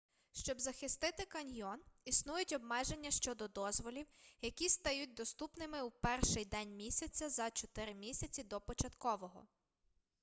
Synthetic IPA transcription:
ʃt͡ʃɔbzɐxɪst̪ɪt̪ɪkɐnʲjɔnisnujʊtʲɔbmɛʒe̞nʲːɐʃt͡ʃɔd̪ɔd̪ɔzʋɔlʲiwjɐkʲist̪ɐjut̚ʲd̪ɔst̪upnɪmɪwpɛrʃɪjd̪ɛnʲmʲisʲɐt͡sʲɐzɐt͡ʃɔt̪ɪɾɪmʲisʲɐt͡sʲid̪ɔpɔt͡ʃɐt̪kɔʋɔɦɔ̰

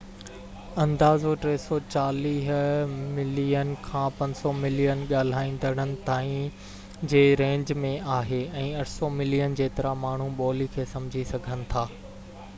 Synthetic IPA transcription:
ɐ̃nd̪aːzoʈɾeːsɔt͡ɕaːliːɦmɪlijənkʰãːpɐ̃ɲsɔmɪlijənɠaːl̤aːĩːn̆d̪əɽ̃ənɪ̆t̪aːĩ | d͡ʑeːɾẽːɲd͡ʑmẽʔaːɦeːɛ̃ːɐʈʰsɔmɪlijənd͡ʑeːt̪ɐɾamaːɳ̤uɓɔːlikʰeːsɐ̃md͡ʑʱisɐɡʱənɪ̆t̪ʰaː

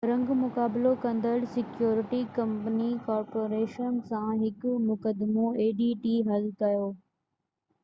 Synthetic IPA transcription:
ɾɐ̃ŋɡmʊkaːbɪlokɐ̃nd̪əɽsɪkjoːɾɪʈikɐ̃mpənikɔːɾpoːɾeːʃənsãɦɪkʊmʊkəd̪mõeːɖiːʈiːɦɐlkɐjoː

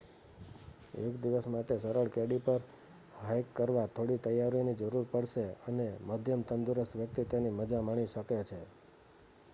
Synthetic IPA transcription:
ḛkd̪iʋəsmaʈesəɾəɭkeɽipəɾ | ɦajkːəɾʋat̪ʰoɽit̪əjːaɾjonid͡ʒəɾuɾpəɽʃeəneməd̪ʱjəmt̪ənd̪uɾəst̪ʋjək̚t̪it̪jeniməd͡ʒamaɽ̃iʃəket͡ʃʰe

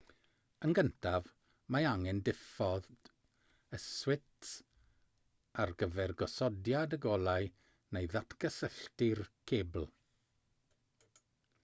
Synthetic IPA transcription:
ənɡəntʰav | maaŋɛndɪfɔð | əswɪts | arɡəvɛrɡɔsɔdjadəɡɔlˠaɨ | nejðatʰkʰəsəɬtɪrkʰeːbl̩ˠ

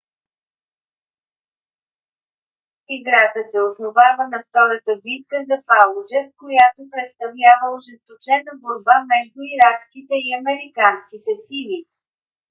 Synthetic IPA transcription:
iɡɾat̪əsɛosnovavənɐft̪ɔɾət̪əvit̪̚kəzɐpalˠʊd͡ʒɛfkojat̪opɾɛt̪st̪ɐvlʲavəʊʒɛst̪ot͡ʃɛnəboɾbamɛʒd̪ʊiɾakskit̪ɛiɐmɛɾikanskit̪ɛsili

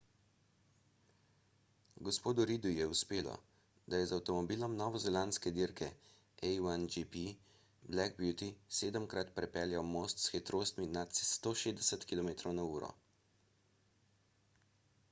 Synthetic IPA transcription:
ɡɔspoːd̪uɾiːd̪ujɛuspeːlɔ̰ | d̪ajɛzawt̪ɔmɔbiːlɔmnɔːʋɔzɛlanskɛd̪iɾkɛ | ɛjand͡ʒipi | blɛkbjut̪iseːd̪əmkɾat̪pɾɛpɛljawmoːst̪sxɛt̪ɾoːst̪minat̪st̪oʃeːzd̪ɛsət̪kilɔmeːt̪ɾɔwnauːɾɔ̰

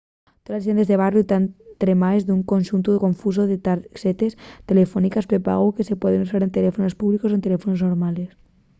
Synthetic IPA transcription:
t̪olasʝenezðeβarjut̪ant̪ɾemaezðuŋkonʲʃunt̪uko̞ɱfus̬oðet̪aset̪est̪e̞lefonikaspɾepa̰ɣokese̞pweðenus̬aɾe̞nt̪elefonospuβlikosoent̪e̞le̞fonoznoɾmales

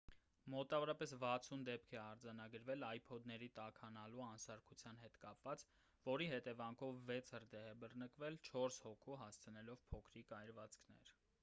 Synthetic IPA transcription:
mɔt̪ɑvɔɾɑpɛsvɑt͡sʰund̪ɛp̚kʰɛɑɾd͡zɑnɑɡəɾvɛlɑjpʰɔd̪nɛɾit̪ɑkʰhɑnɑluɑnsɑɾkʰut͡sʰjɑnɦɛt̪kɑpvɑt͡s | vɔɾiɦɛt̪ɛvɑŋkʰɔvːɛt͡sʰhərd̪ɛɦɛbərnəkvɛlt͡ʃʰɔɾshɔkʰuɦɑst͡sʰənɛlɔvpʰɔkʰɾikɑjɾvɑt͡skʰnɛ̰ɾ

